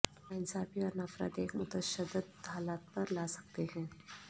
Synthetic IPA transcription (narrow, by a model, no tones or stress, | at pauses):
aːɪnsaːfiɔːɾnafɾa̰ːt̪eːkmʊt̪əʃəd̪ːəd̪haːlaːt̪̚pɐɾlaːsɐ̥k̚t̪eɦɛ̃ː